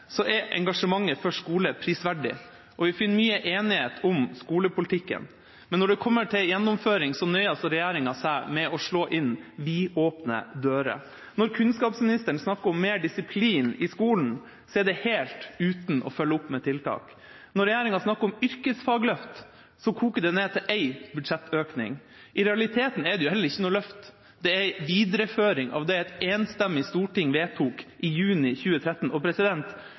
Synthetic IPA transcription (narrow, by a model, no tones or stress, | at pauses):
sɔʔɛɾʔɛ̰ŋɡɑʂəmɑŋːəfɔʂkuːləpʰɾiːsʋæɖɪ̰ | ʔɔʋɪfɪnːmyːəʔeːnɪheːt̪ʰʊmskuːləpʊlɪt̪ʰɪkːə̰n | mɛnːɔɖɛkʰɔmːəʈʰɪljɛnːʊmføːɾɪŋsɔnœʏɑsɔɾɛjæːɾɪŋɑsæɪmɛɔʂɭoːʔɪnʋiːoːpnə̰d̪øːɾə̰ | nɔɾkʰʉnskɑːpsmɪnɪst̪əɳ̩snɑkːəɾɔmːeːɖɪsɪpʰliːnɪskuːln̩ | sɔɛɖɛheːlt̪ʉːt̪n̩ɔ̰fœlːəʊpːmɛt̪ʰɪlt̪ʰɑ̰ːk | nɔɾːɛjæːɾɪŋɑsnɑkːəɾɔmʏɾkəsfɑːɡlœft̪ | sɔkʰuːkəd̪ɛneːt̪ʰɪlʔæɪbʉd̪ʂɛt̪ːøːknɪ̰ŋ | ʔɪɾɛɑlɪt̪ʰeːt̪n̩ɛɖ̪ɛjʊhɛləɾɪçːənuːlœft̪ | d̪ɛæɪʋiːd̪ɾəføːɾɪŋʔɑ̰ʋd̪ɛæɪt̪eːnst̪ɛmːɪst̪uːʈɪŋʋeːt̪ʰuːkʔɪjʉːnɪçʉːət̪ʰɾɛt̪ːən̩ʔɔpʰɾɛsɪd̪ɛnt̪